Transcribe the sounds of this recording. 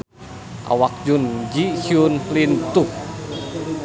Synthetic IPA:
ʔa̰wak̚d͡ʒund͡ʒihiunlint̪uh

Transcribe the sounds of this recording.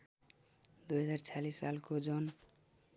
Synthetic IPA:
d̪ujɦʌd͡zart͡sʰalissalkod͡ʒon

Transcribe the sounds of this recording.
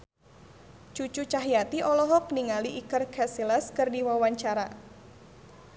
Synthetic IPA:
t͡ʃut͡ʃut͡ʃaɦijat̪iʔɔlɔɦɔk̚niŋaliʔikərkʰɛsilaskərdiwawaɲt͡ʃaɾa

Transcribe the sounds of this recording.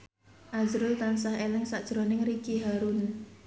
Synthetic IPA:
ʔazɾʊlt̪ansahelɪŋsaʔd̥ʒ̥ɾonɪŋɾikiɦaɾun

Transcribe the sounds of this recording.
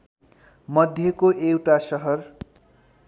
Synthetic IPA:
mʌd̪ʱjekoʔewʈasʌɦʌr

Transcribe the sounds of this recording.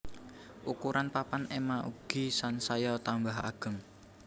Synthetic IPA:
ʔukuɾʔanpapanemaʔṵɡ̥i̤sansajɔt̪ambaɦa̰ɡ̥ə̤ŋ

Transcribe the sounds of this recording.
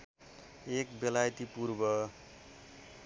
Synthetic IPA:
ekbelajt̪ipuɾbʌ

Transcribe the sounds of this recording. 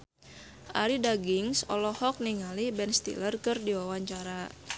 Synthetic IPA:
ʔa̰ɾidaɡɪŋsɔ̰lɔhɔk̚niŋalibɛnst̪ḭlərkɨrdiwawaɲt͡ʃaɾa

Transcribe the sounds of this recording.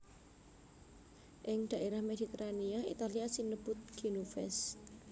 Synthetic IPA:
ʔɪŋd̪̥a̤ʔeɾahmed̪̥i̤t̪əɾaniaḭt̪aliasinəb̥ʊt̪̚ɡ̥inufɛs

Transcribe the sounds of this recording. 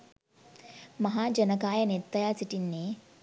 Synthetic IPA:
məɦad͡ʑənəkajənet̪ːəjat͡siʈinːe

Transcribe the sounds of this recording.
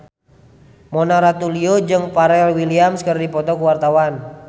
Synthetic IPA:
mɔnaɾat̪uliod͡ʒɨŋpaɾɛlwiliamskərdipɔt̪ɔkuwart̪awan

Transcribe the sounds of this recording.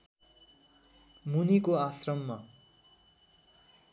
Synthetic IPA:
munikoasrʌmːa

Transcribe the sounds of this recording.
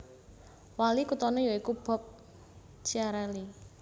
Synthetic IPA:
walikut̪ɔnɔjɔikub̥ɔ̤p̚ | t͡ʃiaɾɛli

